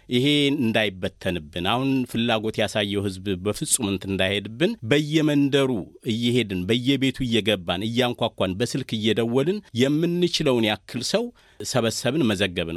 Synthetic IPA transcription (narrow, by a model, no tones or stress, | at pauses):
ʔɪhe̞ɨnd̪ajɪbːət̪ʰːənɨbːɨnahunfɨlːaɡo̞t̪jasajːɛwhɨzbbəfɨsʼumɨnt̪ɨnd̪ajhed̪ɨbːɨnbəjːɛmənd̪əɾuɨjːɪhe̞d̪ɨnbəjːɛbe̞t̪ʰuɨjːɛɡəbːanɨjːaŋkʷakʷanbəsɨlkɨjːɛd̪əwːɔlɨnjɛmːɨnːɨt͡ʃɪləwnjakʰːɨlsəw | səβəsəβɨnməzəɡːəβnə̰w